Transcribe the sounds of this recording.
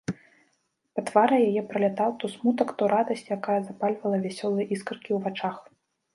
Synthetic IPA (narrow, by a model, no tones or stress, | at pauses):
pɐt̪vaɾɐjajɛpɾɐlʲat̪awt̪ɔsmut̪ɐkt̪ɔɾad̪ɐsʲt͡sʲjakajɐzapalʲvɐlˠɐvʲasʲɔlˠɨjɛʔiskɨrkʲiwvat͡ʂax